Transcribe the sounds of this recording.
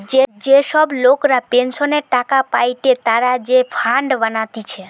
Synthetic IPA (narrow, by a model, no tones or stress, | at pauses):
d͡ʒed͡ʒesəblokɾapensoneʈakapajʈet̪aɾad͡ʒepʰãɳɖʋənat̪it͡ʃʰe